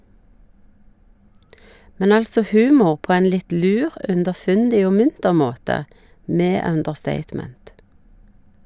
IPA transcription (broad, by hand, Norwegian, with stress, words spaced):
ˈmɛn ˈɑlsɔ ˈhʉːmʊʁ ˈpoː ˈɛn ˈlɪt ˈlʉːʁ ʉndəˈfʉndɪ ˈoː ˈmʉntəʁ ˈmoːtə ˈmeː ˈœndəʁˌsteɪtˌmɛnt